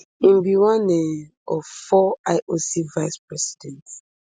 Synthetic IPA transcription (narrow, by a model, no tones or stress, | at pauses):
ĩmbiwɔ̃nɛ̃ | ɔvfɔaɪʔosivaɪspɹɛsi̥dɛ̃nt